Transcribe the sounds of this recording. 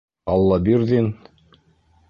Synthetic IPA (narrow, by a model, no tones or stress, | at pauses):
ɑlˠːɑbiɾðin